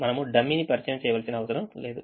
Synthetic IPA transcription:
mɐnɐmuɖɐmːinipɐɾit͡ʃɐjɐmt͡ʃɛːjɐʋaːlsinɐːʋɐsɐɾɐmle̞ːd̪u

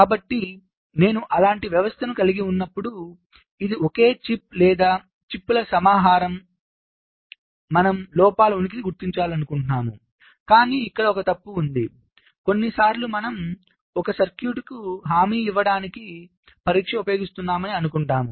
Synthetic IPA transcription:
kaːbɐʈːi | ne̞ːnuʔɐlaːɳʈiʋjɐʋɐst̪ʰɐnukɐliɡiunːɐpːuɽu | id̪ioke̞ːt͡ʃip̚lɛːd̪aː | t͡ʃipːulɐsɐmaːɦaːɾɐm | ɐnɐmlɔːpaːluunik̬iniɡuɾt̪iɲt͡ʃaːlɐnukuɳʈnaːmṵ | kaːniːikːɐɽɐɔkɐt̪ɐpːuːnd̪i | ko̞nːisaːɾlumɐnɐm | ɔkɐsɐɾkjuːʈkuɦaːmiːiʋːɐɽaːniki | pɐɾiːkʂɐupɐjo̞ːɡist̪unːaːmɐniɐnukuɳʈaːmu

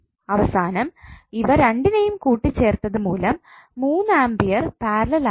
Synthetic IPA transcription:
ɐʋɐsaːnɐmiʋɐɾeɳɖinɐjumkuːʈːit͡ɕːe̞ːrt̪ːɐðumuːlɐmː | uːnːɨaːmbijɐrpaːɾlɐla

